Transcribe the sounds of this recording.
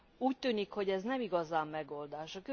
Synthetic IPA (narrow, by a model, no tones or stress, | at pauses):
uːc̚t̪yːnikho̞ɟɛznɛmiɡɒzaːmːɛɡo̞ld̪aːʃɒkø